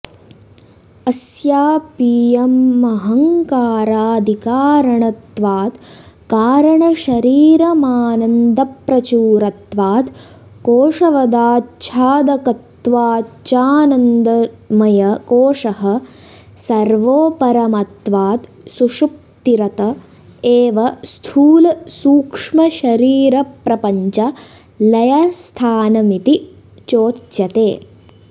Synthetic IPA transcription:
ɐsjaːpijɐmːɐɦɐŋkaːɾaːd̪ʱikaːɾɐɳɐt̪ʋaːt̪ | kaːɾɐɳɐʃɐɾiːɾɐmaːnɐnd̪ɐpɾɐt͡ʃuːɾɐt̪ʋaːt̪ | koːʂɐʋɐd̪aːt͡ʃʰaːd̪ɐkɐt̪ːʋaːt͡ʃaːnɐnd̪ɐmɐjɐkoːʂɐɦɐ̆ | sɐɾʋoːpɐɾɐmɐt̪ʋaːt̪ | suʂuk̚t̪iɾɐt̪ɐ | eːʋɐst̪ʰuːlsuːkʂmɐʃɐɾiːɾɐpɾɐpɐɲt͡ʃɐ | lɐjɐst̪ʰaːnɐmit̪i | t͡ʃoːt̪t͡ʃɐt̪eː

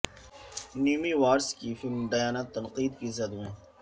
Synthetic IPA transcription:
niːmiʋaːɾskifɪlmɖ̪ɐjaːnaːt̪ːɐnqiːd̪kizɐd̪ẽː

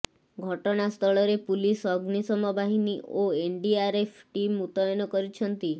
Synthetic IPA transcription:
ɡʱɔʈɔɽ̃ast̪ʰɔɭɔɾepulisɔɡnisɔmɔbʱaɦiniʔoeɳɖiaɾepʰʈimut̪ɔjɔnɔkɔɾit͡ʃʰɔnt̪i

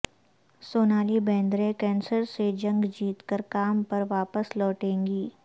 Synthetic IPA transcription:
soːnaːlibɛ̃ːnd̪ɾẽkɛ̃ːnsəɾsed͡ʒɐ̃ŋɡd͡ʒiːt̪kəɾkaːmpɐɾʋaːpəslɔːʈẽːŋɡiː

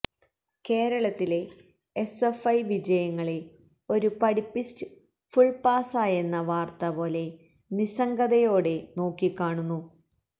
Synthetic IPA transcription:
ke̞ːɾɐɭɐt̪ːile̞ː | sefɐjʋid͡ʑɐjɐŋːɐɭe̞ | o̞ɾupɐɽipːistɨ | fuɭpaːsaːjenːɐʋaːrt̪ɐpo̞ːle̞ | nisɐŋɡɐðɐjo̞ːɽe̞no̞ːkːikːaːɳunːu

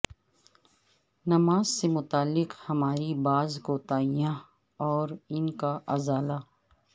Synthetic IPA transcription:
nɐmaːzsemʊt̪aːlːɪqhɐmaːɾibaːzɡoːt̪aːijã | ɔːɾɪnkaʔɐzaːlaː

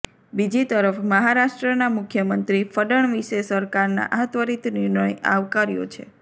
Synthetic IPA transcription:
bid͡ʒit̪əɾəfməɦaɾaʃʈɾənamʊkʰjəmənt̪ɾifəɖəɳ̃ʋiʃesəɾkaɾna̰ʔaɦət̪ʋəɾit̪niɾnəjaʋkaɾijo̰t͡ʃʰḛ

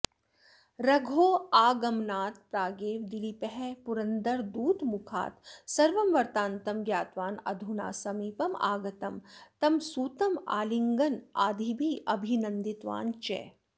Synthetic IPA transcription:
ɾɐɡʱoːaːɡɐmnaːt̪̚pɾaːɡeːʋd̪ilipɛɦɛpuɾɐnd̪ɐɾd̪uːt̪mukʰa̰ːt̪sɐɾʋɐmʋɐɾt̪aːnt̪ɐmɡjaːt̪ʋaːnɐ̰d̪ʱuna̰ːsɐmiːpɐma̰ːɡɐt̪ɐmt̪ɐmsuːt̪ɐmaːliŋɡɐnaːd̪ʱibʱiʔɐbʱinɐ̃nd̪it̪ʋa̰ːnt͡ʃɛ̰ː

